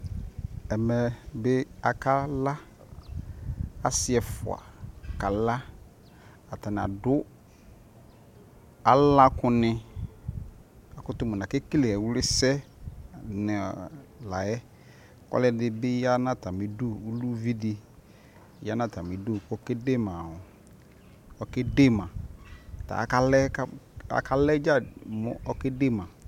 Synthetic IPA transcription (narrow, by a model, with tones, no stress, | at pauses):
ɛ˨mɛ˨bɪ˦a˨ka˦la˦ | a˨sɪ˦ɛ˨fʊ̰˨a̰˨ka˨la˦ | a˨ta˨nɪ˨a̰˨dʊ˦ | a˦lã˦kʊ˦nɪ̃˦ | a˨kʊ˦tʊ˦mʊ˨nã˨ke˦ki˦le˨ɛ˨wʊ˦lɪ˦sɛ˦ | nɪ˨la˨jɛ˦ | kɔ̰˦lɛ˦dɪ˦bɪ˦ja˦nã˦ta˨mi˨du˦u˦lu˦vi˦dɪ˨˦ | ja˦nã˦˨ta˨mi˨du˦kɔ˦ke˦de˦mã˨hʊ˨ | ɔ˨ke˦de˦˨mã˨ta̰˨ka˦lɛ˦ka̰˨ka˦lɛ˦d͡ʒa˦˨mʊ̰˨ɔ˦ke˦de˦˨mã˨